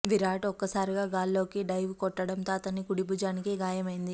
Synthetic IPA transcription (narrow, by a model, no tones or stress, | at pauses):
ʋiɾaːʈɔkːɐsaːɾiɡaːɡaːlːo̞ːkiɖɐjʋkɔʈːɐɽɐnt̪oːɐt̪ɐnːikuɽibuːd͡ʒaːnikeːɡaːjɐmɐjind̪i